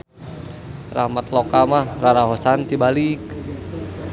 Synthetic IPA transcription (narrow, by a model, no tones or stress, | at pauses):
rahmat̪lokamahraɾaɦosant̪ibalik